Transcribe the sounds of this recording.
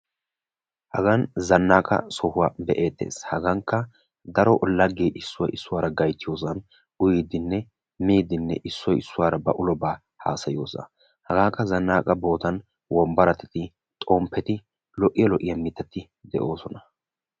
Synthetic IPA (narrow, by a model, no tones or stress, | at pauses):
hɐɡɐnzɐnːaːkʼɐ̰sɔhʊwaːbɛʔeːt̪ːe̞̰ːshɐɡɐŋkːɐ | d̪ɐɾɔʔʊlːɐɡːeːʔɪsːʊwɔjɪsːʊwaːɾɐɡɐjt̪ːɪjo̞ːsɐn | ʊjid̪ɪnːɛ | miːd̪ɪnːɛ̰ʔɪsːɔjɪsːʊwaːɾɐbɐʔʊlɔbaː | ha̰ːsɐjo̰ːsɐ | hɐɡaːkːɐzɐnːaːkʼɐbo̞ːt̪ɐn | wʔɔmbɐɾɐt̪ɛt̪ɪ | t̪ʼoːmpʰːɛt̪ɪ | lɔʔɪjɐlɔʔɪjɐmɪt̪ːɛt̪ːɪ | d̪ɛʔo̞ːsɔnɐ